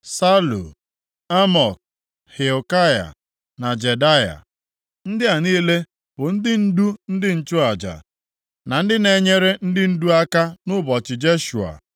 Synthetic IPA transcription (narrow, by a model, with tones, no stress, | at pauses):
sa˦lṵ˨ | a˦mɔ˨k̚ | he˨o˨ka˦ja̰˨ | na˨d͡ʒe˨da˦ja̰˨ | n̩˦dɪ˦a˨niː˦le˦ | b̥ʊ˨n̩˦dɪ˦n̩˦du˦n̩˦dɪ˦n̩˨t͡ʃʊ˦a˨d͡ʒa̰˨ | na˨n̩˦dɪ˦ne˨ɲe˦ɾe˦n̩˦dɪ˦n̩˦du˦a˦ka˦nʊ˦bɔ˨t͡ʃɪ˨d͡ʒe˦ʃu˨a̰˨